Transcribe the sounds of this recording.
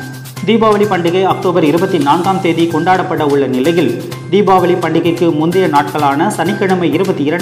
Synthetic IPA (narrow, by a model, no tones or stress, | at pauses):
d̪iːbaːʋɐlipɐɳɖɪɣɐɪɐk̚ʈoːbɐɾɪɾɯbɐt̪ːinaːnɡaːmt̪eːðikɔɳɖaːɽɐpːɐɽɐʊɭːɐnɪlɐjɪl | d̪iːbaːʋɐlipɐɳɖɪɣɐɪkːɯmʊnd̪ɪjɐnaːʈ̚kɐɭaːnɐsɐnɪkːɐɳɯmɐɪɪɾɯbɐt̪ːiɪɾɐɳ